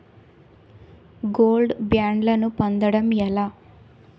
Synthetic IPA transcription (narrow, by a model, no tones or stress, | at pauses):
ɡoːlɖbjaːɳɖlɐnupond̪ɐɽɐmɛlaː